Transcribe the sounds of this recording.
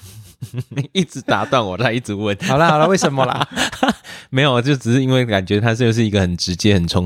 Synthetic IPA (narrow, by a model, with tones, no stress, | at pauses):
i˥˩ʈ͡ʂɻ̩˧˦t̪a˨˧˥t̪wa˥˩nwɔ˨˩t͡sa˥˧ɪi˥˩ʈ͡ʂ̩˧˦wə˥˨n˨˩lə˦hɑ˨˩ʊlə˦we˥˩ɪʂə˧˦nmɐ˧lə̰˨ | me˧˥ɪjo˨˩ʊt͡ɕjo˥˩ʊʈ͡ʂɻ̩˨˩ʂɻ̩˥˧i˦nwe˥˩ɪka˨˩nt͡ɕɥɛ˧˥t̪ʰa˦˥ʂ̩˥˧ʂ̬ɻ̩˥˩i˧˥ɡə˨xə˨˩nʈ͡ʂɻ̩˧˥t͡ɕjɛ˦xə˨˩nt͡sʰʊ˧˥ŋ